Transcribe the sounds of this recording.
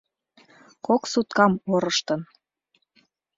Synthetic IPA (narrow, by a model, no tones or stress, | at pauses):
koksut̪̚kɑmoɾɤʃt̪ə̆n